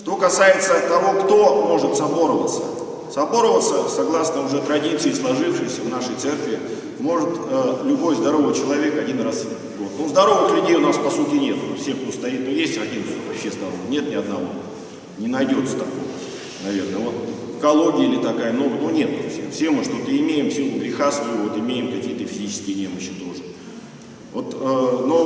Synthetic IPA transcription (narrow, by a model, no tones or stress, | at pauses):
ʂt̪o̞kɐsajɪt̪sət̪ɐvo̞kt̪o̞mo̞ʐɨt̪sɐbo̞ɾəvə̰t̪sə | sɐbo̞ɾəvət̪səsɐɡlˠasnəʊʐɛt̪ɾɐdʲit̪sɨɪslˠɐʐɨfʂɨjsʲəvnaʂəjt̪sɛrkvʲɪ | mo̞ʐɨt̪əlʲʊbo̞jzd̪ɐɾo̞vɨjt͡ɕɪlˠɐvʲe̞kɐdʲinrasʲitʲvo̞t̪onzd̪ɐɾo̞vɨxlʲʉdʲejʊnaspɐsutʲɪnʲe̞t̪ʊnfsʲe̞xkt̪ost̪ɐit̪̚nojesʲtʲɐdʲinuvɐpɕːezd̪ɐɾonnʲet̪nʲɪɐd̪nɐvo̞̰ | nʲɪnɐjdʲo̞t̪sə̥t̪ɐko̰ | nɐvʲe̞rnəvo̞t̪ | kɐlˠo̞ɡʲɪəilʲɪt̪ɐkajəmno̞ɡənunʲe̞t̪fsʲefsʲe̞mɨʂt̪ot̪əɪmʲejɪmfsʲilˠʊɡɾʲɪxasvəjʊvo̞t̪ɪmʲejɪmkɐkʲijət̪əfʲɪzʲit͡ɕɪ̥skʲɪjənʲeməɕːɪt̪o̞ʐɨ | vo̞t̪əno